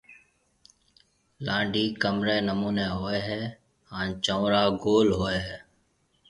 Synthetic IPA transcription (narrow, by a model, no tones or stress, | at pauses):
lãːɳɖiːkəmɾeːnəmuːneːɦoːeːɦɛː | hãːnt͡ʃə̃ːɾaːɡoːlɦoːeːɦɛː